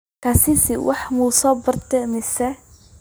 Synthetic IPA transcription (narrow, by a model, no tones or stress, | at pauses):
kʰɐsɪsɪwʔɑħmusɔːbɐrt̪ʰɛmɪsɛ